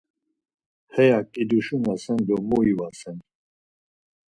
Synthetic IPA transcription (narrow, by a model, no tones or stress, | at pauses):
hɛjakʼid̪uʃunasɛnd̪ɔmuivasɛn